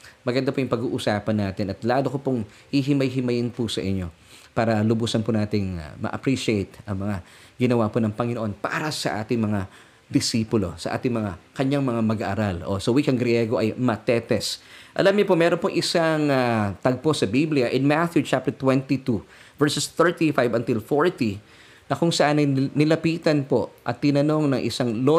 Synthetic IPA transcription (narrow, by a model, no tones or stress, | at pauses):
mɐɡɐnd̪apojʊŋpɐɡuːʔʊsaːpɐnːaːt̪ɪnɐt̪laːd̪okopʊŋ | hiɦɪmɐjɦɪmɐjɪnpʊsɐʔɪɲːo̞ | paːɾɐlʊbuːsɐnpʊnaːt̪ɪŋ̰mɐ̰ʔɐ̰pɾiʃɪejt̪ʔɐŋmɐŋa | ɡɪnɐwaponɐŋpɐŋɪnoʔo̞npa̰ɾɐsɐʔa̰ːt̪ɪŋmɐŋa | d̪ɪsiːpʊlo̞̰sɐʔa̰ːt̪ɪŋmɐŋakɐɲaŋmɐŋamɐɡaʔːɾalʔo̰sɐwikɐŋɡɾjɛɡoʔɐjmɐt̪ɛːt̪ɛsʔɐ̰lamɲʊpomɛːɾonpoŋʔɪsaŋat̪ɐɡ̚po̞sɐbiblɪjɐʔɪnmat̪jut͡ʃap̚t̪ɛɹt̪wɛnt̪it̪u | vɛɹsɛst̪ɛɹt̪ifajbɐnt̪ɪlfoɹt̪i | nɐkʊŋsɐʔanɐjnɪlɐpiːt̪ɐnpo̞ʔɐ̰t̪ːɪnɐno̞ŋnɐŋʔɪ̰saŋlo